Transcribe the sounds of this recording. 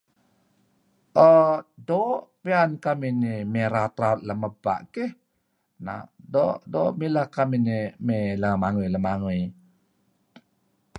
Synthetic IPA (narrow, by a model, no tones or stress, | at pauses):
ʔədɔʔpiankaminimeɾat̪ɾaut̪̚ləməba̰ʔkeh | na̰ʔdɔʔdɔmilahkaminimeləmaŋujləmaŋuj